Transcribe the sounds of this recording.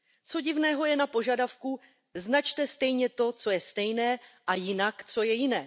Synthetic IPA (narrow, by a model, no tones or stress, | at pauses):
t͡so̞ɟɪvnɛːɦo̞jɛnapo̞ʒadafku | znat͡ʃt̪ɛst̪ɛjɲɛt̪o̞t͡so̞jɛst̪ɛjnɛːʔajɪnakt͡so̞jɛjɪnɛː